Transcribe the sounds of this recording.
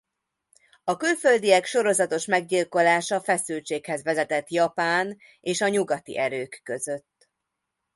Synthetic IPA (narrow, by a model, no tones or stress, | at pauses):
ɒkylfø̞ld̪iɛkʃo̞ɾo̞zɒt̪o̞ʃmɛɡɟilko̞laːʃɒfɛsylt͡ʃeːkhɛzʋɛzɛt̪ɛt̪jɒpaːn | eːʃɒɲuɡɒt̪ḭʔɛɾøːkːø̞zøt̪ː